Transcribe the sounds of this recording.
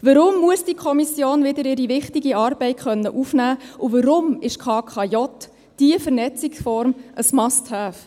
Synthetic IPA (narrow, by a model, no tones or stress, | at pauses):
ʋəɾʊmːuəsd̥ikʰɔmisjoːnʋɪd̪əɾɪɾiʋɪχtɪɡiɑːɾb̥ɛɪtχœnːəʔufnæːʔuʋəɾʊmɪʃkʰɑːkʰɑjɔt̪ | d̥iəfəɾnɛt͡sɪksfɔɾmʔəsmɑsthæːf